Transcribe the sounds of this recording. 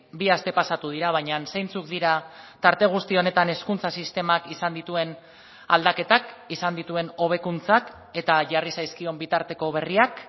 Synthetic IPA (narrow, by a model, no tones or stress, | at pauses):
biast̪e̞pasat̪uð̞iɾaβ̞ajɲanse̞jnt͡suk̚d̪iɾat̪aɾt̪e̞ɣ̞ust̪io̞ne̞t̪ane̞skunt͡sasist̪e̞makisand̪it̪ue̞n | ald̪ake̞t̪akisand̪it̪ue̞no̞β̞e̞kunt͡sak | e̞t̪aʝarisajskio̞mbit̪aɾt̪e̞ko̞β̞e̞riak